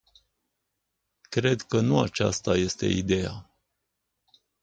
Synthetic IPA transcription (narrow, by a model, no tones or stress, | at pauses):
kɾe̞d̪kənuat͡ʃa̰st̪aje̞st̪e̞̰id̪e̞ja̰